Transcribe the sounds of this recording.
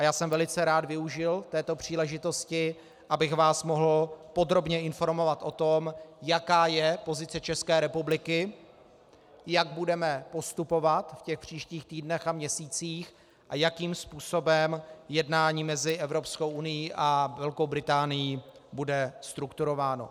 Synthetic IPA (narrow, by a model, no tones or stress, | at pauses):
ajaːsɛmvɛlɪt͡sɛɾaːd̪vɪuʒɪlt̪ɛːt̪o̞pr̝̥iːlɛʒɪt̪o̞scɪ | ʔabɪxvaːsmo̞ɦl̩po̞d̪ɾo̞bɲɛɪnfo̞ɾmo̞vat̪ʔo̞t̪o̞mjakaːjɛpo̞zɪt͡sɛt͡ʃɛskɛːɾɛpublɪkɪ | jaɡ̚budɛmɛpost̪upo̞vat̪fcɛxpr̝̥iːʃciːxt̪iːdnɛxamɲɛsiːt͡siːx | ʔajakiːmspuːso̞bɛmjɛdnaːɲiːmɛzɪʔɛvɾo̞psko̞wʔunɪjiːʔavɛlko̞wbɾɪt̪aːnɪjiː | budɛst̪ɾukt̪uɾo̞vaːno̞̰